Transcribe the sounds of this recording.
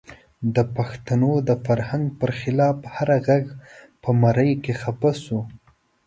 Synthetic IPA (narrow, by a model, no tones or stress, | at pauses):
d̪əpaxt̪anod̪əfaɾhaŋɡpəɾxɪlɑfhaɾaɣaɡ | pəmaɾəjkexapasu